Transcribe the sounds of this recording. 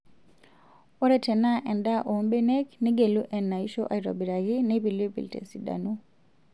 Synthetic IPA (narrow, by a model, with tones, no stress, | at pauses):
o˦ɾɛ˦tɛ˨na˦ʔɛ˨nda˦ʔo˨˦mbɛ˦nɛ˦kni˦ɡe˨lu˦ʔɛ˨nːa˨i˦ʃɔ˦ʔa˨i˨ɾo̰˨bi˨ɾa˨ɣi˦nepi˨li˦pḭ˨ltḛ˨si˨da̰˨nu